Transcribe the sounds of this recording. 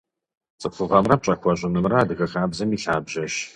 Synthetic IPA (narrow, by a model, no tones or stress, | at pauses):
t͡sʼɨfɨʁɐmrɐm̚t͡ʃʼɐxʷɔɕʼɪmɨmrɐːdɨɣɐxaːbzɐmiːɬaːbʑɐʃ